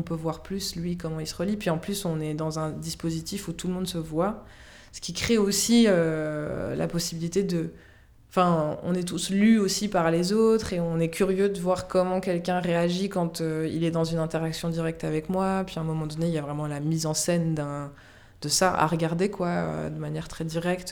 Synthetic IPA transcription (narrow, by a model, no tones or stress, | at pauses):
ɔ̃pøvwaʁplyslɥikɔmɑ̃ilsəʁəlipɥiɑ̃plysɔ̃nɛd̪ɑ̃zɛ̃d̪ispozit̪ifut̪ulmɔ̃d̪səvwa | sə̥kʲikχeosiø | la̰pɔsibilit̪ed̪ə | ɑ̃fɛ̃ɔ̰̃nɛt̪uslyosipaʁlezot̪χeɔ̃nɛkʲyʁjød̪əvwaʁkɔmɑ̃kʲɛlkʲɛ̃ʁeaʒikɑ̃t̪øḭlɛd̪ɑ̃zynɛ̃t̪eʁaksjɔ̃d̪iʁɛk̚t̪avɛkmwapɥiɛ̃mɔmɑ̃d̪ɔneiljavʁɛmɑ̃lamizɑ̃sɛnd̪ɛ̃ | d̪̥əsaʔa̰ʁəɡaʁd̪ekwaø̰d̪əmanjɛʁt̪χɛd̪iʁɛkt̪